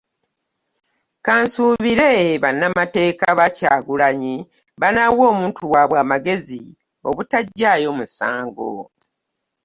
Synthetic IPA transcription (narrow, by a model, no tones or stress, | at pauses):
kaːnsuːβiɾe̞βanːamate̞ːkaβacaːɡulaɲi | βanawo̞ːmuːntʰuwaβwaːmaɡe̞zi | o̞̰βutaɟːajo̞ːmusa̰ːŋɡo̰